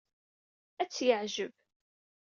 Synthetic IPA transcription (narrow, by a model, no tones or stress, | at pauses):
æt͡sːjəʕʒəb